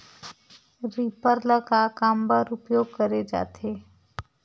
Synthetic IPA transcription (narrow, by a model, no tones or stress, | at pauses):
ɾiːpəɾləkakaːmbəɾʊpjoːɡ̚kəɾed͡ʒa̰ːt̪ʰe